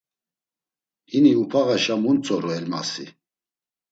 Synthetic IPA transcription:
hiniupʰaɣaʃamunt͡sʰʼɔɾuɛlma̰si

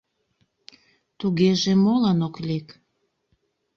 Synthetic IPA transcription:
t̪uɣeʒemolɑnoklʲek

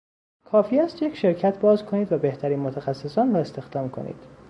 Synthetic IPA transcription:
kʰɒːfiːæst̪jecʰʃe̞ɾcʰæt̪ʰbɒːzkʰoniːd̪væbe̞ht̪ʰæɾiːnmot̪ʰæxæsːesɒːnrɒːe̞st̪e̞xd̪ɒːmkʰo̞̰nḭːd̪̥

